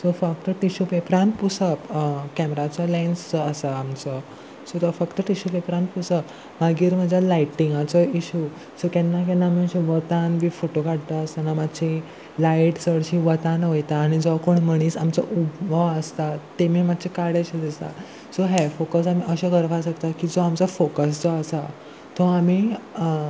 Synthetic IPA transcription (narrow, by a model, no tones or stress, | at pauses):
sofək̚t̪əʈiɕupepɾãnpusəpkɛmɾat͡səlajnsəsaamt͡sə | sot̪ɔfəkt̪əʈiɕupepɾanpusəp | maɡiːɾm̤əd͡ʑʱalajʈːiŋɡat͡səiɕu | sokɛnːak̬ɛnːamiəɕiʋət̪anbiːfoʈokaɽt̪əəst̪anamad̪ɕi | lajʈsəɽɕiʋət̪ãnojt̪aːɽ̃id͡zɔʋakoɳməɽ̃iːsamt͡sə̰ʔubbʱaʋəst̪at̪emiːmad̪̚t͡ɕʰekaɽaɕid̪ist̪a̰ | soɦɛfokəsamiʔəɕaɡəɾfasəkt̪akid͡zoamt͡səfokəs̬d͡zɔəsa | t̪ɔami